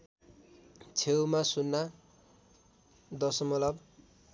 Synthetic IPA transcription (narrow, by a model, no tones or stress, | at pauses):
t͡sʰewmasunːa | d̪ʌsʌmʌlʌb